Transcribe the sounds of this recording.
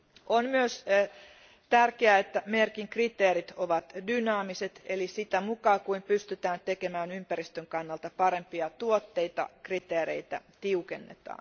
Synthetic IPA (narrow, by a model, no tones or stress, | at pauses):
ʔonmyøs | t̪ærkeæet̪ːæmerkiŋkrit̪eːɾit̪oʋɑt̪dynɑːmiset̪elisit̪æmukɑːkuimpyst̪yt̪æːnt̪ekemæːnympærist̪øŋkɑnːɑlt̪ɑpɑɾempiɑt̪uot̪ːeit̪ɑ̰krit̪eːɾḛit̪æ̰t̪iukenːḛt̪ɑ̰ːn